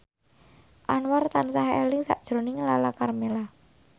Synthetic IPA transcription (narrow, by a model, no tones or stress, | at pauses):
ʔanwart̪ansaɦɛ̰lɪŋsa̰ʔd̥ʒ̥ɾonɪŋlalakarmela